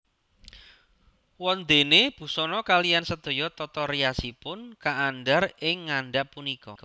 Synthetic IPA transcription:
wɔnd̪eneb̥ṳsɔnɔkalijansəd̪̥o̤jɔt̪ɔt̪ɔreasipʊnkaʔːnɖaɾɪŋːanɖaʔpunikɔk

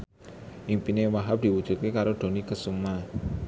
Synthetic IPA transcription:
ʔiŋpinewaɦap̚d̪̥i̤wud̥ʒ̥ṳt̪̚kekaɾod̪̥o̤nikəsuma

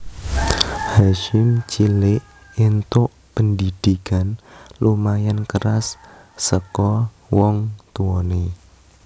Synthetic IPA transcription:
haʃɪmt͡ʃilɪʔ | int̪ʊʔ | pəndid̪̥ikanlumajankəɾasː | əkɔ | wɔŋt̪uɔne

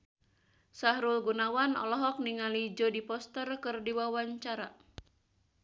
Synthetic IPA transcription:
sahɾulɡunawanɔ̰lɔɦɔk̚niŋalid͡ʒɔdipɔst̪ərkɨrdiwawaɲt͡ʃaɾa

